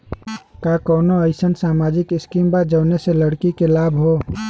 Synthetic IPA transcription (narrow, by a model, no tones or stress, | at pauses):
kakɔːnoəɪsənsaːmaːd͡ʒɪkɪskiːmbaːd͡ʒəːneseləɽkikelaːbʱɦo